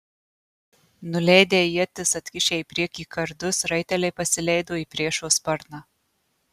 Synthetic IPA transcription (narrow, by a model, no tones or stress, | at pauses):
nʊlʲɛɪd̪ʲeːjiɛt̪ʲɪsɐt̪ʲkʲɪʃʲeːipʲɾʲiɛkʲiːkɐɾd̪ʊsɾɐɪt̪ʲɛlʲɛɪpɐsʲɪlʲɛɪd̪oːiːpʲɾʲiɛʃoːspɐɾnɑ